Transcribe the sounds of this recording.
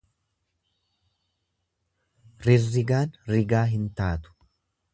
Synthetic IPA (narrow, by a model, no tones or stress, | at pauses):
ɾɪrːɪɡaːnɾɪɡaːɦɪnt̪aːt̪ʊ̥